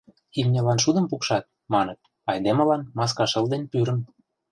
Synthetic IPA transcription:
ximnʲelɑnʃud̪ə̆mpukʃɑt̪̚ | mɑnɤ̆t̪̚ | ɑjd̪emə̆lɑnmɑs̬kɑʃɤ̆ld̪enʲpyɾə̆n

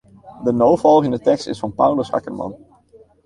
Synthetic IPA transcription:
dənowvɔlˠχəndətɛkstɪ̰sfɑnpʌ̰wləsɑ̰kəɹmɑ̰n

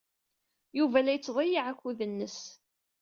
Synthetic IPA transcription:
juvælæjət͡sːðˤejəʕækʷːuðənːəs

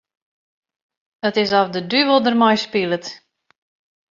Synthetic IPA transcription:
ətɪsɔfdədyʋəlˠdərmɔjspilˠət

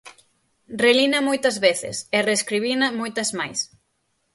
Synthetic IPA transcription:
relinɐmojt̪ɐzβeθɪ̰sereskɾiβinɐmojt̪ɐzmajs

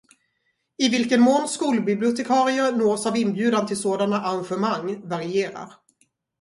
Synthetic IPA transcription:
ɪvɪlkənmoːnskuːlbɪblɪʊt̪ʰɛkʰɑːɾɪəɾnoːsavɪnbjʉ̟ːd̪ant̪ʰɪlsoːd̪anaʔaanɧəmaŋːvaɾɪeːɾa̰ɾ

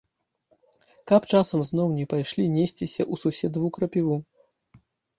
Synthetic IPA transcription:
kɐpt͡ʂasɐmznɔwnʲɛpajʂlʲinʲesʲt͡sʲisʲɐʔususʲɛd̪vukɾɐpʲivu

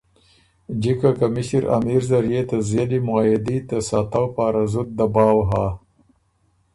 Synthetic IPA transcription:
d͡ʒikakamɪʃəɾa̰miɾzaɾjet̪azelimʊaɪd̪it̪asɑːt̪awpɑːɾazʊd̪̚d̪abɑːwɦaː

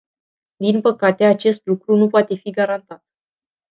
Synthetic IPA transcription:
d̪inpəkat̪e̞at͡ʃe̞st̪lukɾunupoat̪e̞fiɡaɾant̪at̪̚

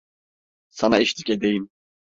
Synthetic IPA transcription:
sanaiʃt̪ʰi̥cʲed̪ejim

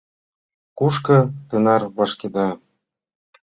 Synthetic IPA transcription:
kuʃkɤ̆t̪ɤnɑrβɑʃked̪ɑ

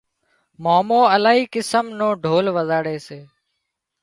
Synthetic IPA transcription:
moːmoːəlaːɦiːkɪsəmnõːɖʱoːlʋəzaːɽeːseː

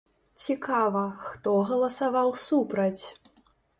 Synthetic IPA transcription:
t͡sʲikavɐxt̪ɔɣɐlˠɐsavawsupɾɐt͡sʲ

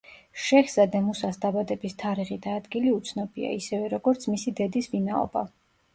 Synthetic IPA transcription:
ʃɛhszad̪ɛmusasd̪abad̪ɛbist̪ʰaɾiʁid̪aːd̪ɡiliut̪sʰnɔbia̰isɛvɛɾɔɡɔɾt̪sʰmisid̪ɛd̪isvinaɔ̰ba̰

